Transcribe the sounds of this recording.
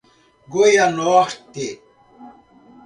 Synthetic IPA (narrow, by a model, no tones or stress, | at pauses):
ɡojanoxt̪e